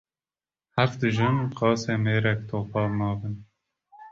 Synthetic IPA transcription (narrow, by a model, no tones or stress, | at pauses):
hæfd̪ɨʒɨnqɑːseːmeːɾɛkt̪ʰoːpɑːmɑːvɨn